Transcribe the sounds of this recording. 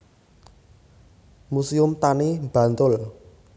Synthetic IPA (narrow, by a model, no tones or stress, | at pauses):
musiʊmt̪animb̥ä̤nt̪ʊl